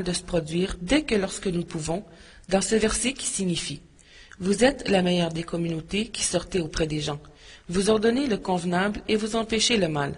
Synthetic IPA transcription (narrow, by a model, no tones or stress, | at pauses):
ld̪əsə̥pχɔd̪d͡zɥiːʁd̪ɛkəlɔʁskənupuvɔ̃ | d̪ɑ̃səvɛʁsɛkʲi̥siɲifi | vuzɛt̪lamɛjœʁd̪ekɔmynot̪ekʲi̥sɔʁt̪ɛopχɛd̪eʒɑ̃vuzɔʁd̪ɔneləkɔ̃vnablevuzɑ̃pɛʃeləmal